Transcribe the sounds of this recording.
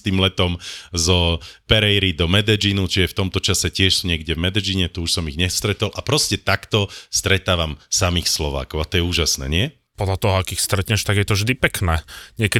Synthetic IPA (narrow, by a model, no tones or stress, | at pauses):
t̪iːmlɛt̪ɔmzɔpɛɾɛjɾid̪ɔmɛd̪ɛd͡ʒinut͡ʃiɛft̪ɔmt̪ɔt͡ʃasɛcɪɛʃɲɪɛɡɟɛvmɛd̪ɛd͡ʒiɲɛt̪uuʃsɔmiɣɲɛst̪ɾɛt̪ɔlʔapɾɔscɛt̪akt̪ɔst̪ɾɛt̪aːʋamsamiːxslɔʋa̰ːkɔʊat̪ɔjɛuːʒasnɛ̰ːɲɪɛ | pɔd̪ʎat̪ɔɦɔakixst̪ɾɛt̪ɲɛʃt̪aɡjɛt̪ɔvʒd̪ipɛknɛːɲɪɛkɛ